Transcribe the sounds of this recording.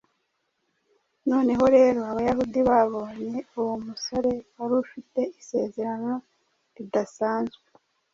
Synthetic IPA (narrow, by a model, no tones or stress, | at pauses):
no̞ːne̞ɦo̞ɾe̞ːɾo̞aβajahudiβaβo̞ɲe̞uwomuso̞ɾe̞waɾufite̞ise̞ːze̞ɾano̞ | ɾidasaːnzɡee